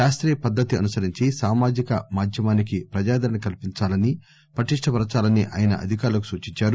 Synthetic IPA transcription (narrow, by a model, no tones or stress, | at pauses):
ʃaːst̪ɾɛːjɐpɐd̪ːɐt̪iɐnusɐɾiɲt͡ʃisaːmaːd͡ʒikɐmaːd̪ʱjɐmaːnikipɾɐd͡ʒaːd̪ɐɾɐɳnɐkɐlpiɲt͡ʃaːlɐni | pɾɐʈiʂʈʰɐpɐɾɐt͡ʃaːlɐniʔa̰ːjɐnɐ̰ʔɐ̰d̪ʱikaːɾulɐkusuːt͡ʃiɲt͡ʃaːɾu